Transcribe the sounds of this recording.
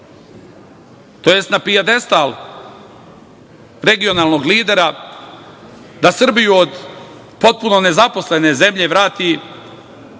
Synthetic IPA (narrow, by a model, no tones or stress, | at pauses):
t̪ojest̪napijad̪e̞st̪al | ɾe̞ɡio̞naːlˠno̞ɡliːd̪e̞ɾa | d̪asr̩bijuod̪ | po̞t̪̚puno̞ne̞zaposle̞ne̞ze̞mʎe̞ʋɾaːt̪i